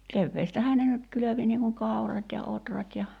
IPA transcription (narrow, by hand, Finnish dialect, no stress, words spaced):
keʋːeːstæhæː ne nyt kyløʋi niːŋ kuŋ kɑu̞rɑt jɑ otrɑt jɑ